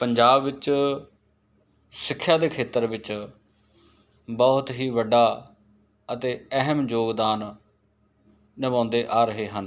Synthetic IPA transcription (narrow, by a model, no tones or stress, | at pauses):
pəɲd͡ʒaːbʋɪt͡ʃ | sɪkʰːjaːd̪eːkʰeːt̪əɾʋɪt͡ʃ | bɔːt̪ɦiːʋəɖaː | ət̪eːəɦəmd͡ʒoːɡd̪aːn | nəʋãːnd̪eːʔaːɾəɦeːɦən